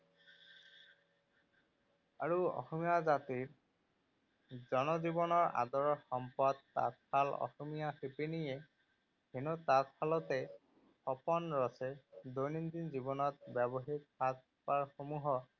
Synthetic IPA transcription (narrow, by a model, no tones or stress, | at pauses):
aɹuɔ̰xɔmijazatiɹ | zɔnɔzibɔnɔɹa̰dɔɹɔxɔmpɔdta̰t̚pʰalɔ̰xɔmijaxepenijɛ | henɔtatpalɔtɛ | xɔpɔnɹɔsɛdojnindinzibɔnɔt̚bɛbɔɦitpat | paɹxomuɦɔ